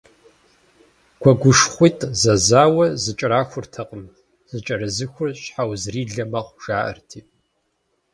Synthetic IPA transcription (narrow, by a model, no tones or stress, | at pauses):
ɡʷʰɔɡʷʊʂχʷiːtʼzɐzaːwɐzɨt͡ʃʼraːxʷʊrtʰɐqʼəm | z̥ɨt͡ʃʼɐɾɐzɨxʷʊrɕħawzriːɮɐmɐχʷʒ̥aːʔɐ̰rtʰiː